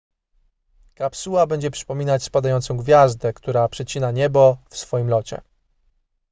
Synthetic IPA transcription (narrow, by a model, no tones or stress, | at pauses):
kapsuwabɛɲd͡ʑɛpʂɘ̥pɔmʲinat͡ɕspad̪ajɔnt̪sɔ̃w̃ɡvʲjazd̪ɛkt̪uɾapʂɛt͡ɕinaɲɛbɔfsfɔjimlɔt͡ɕɛ̰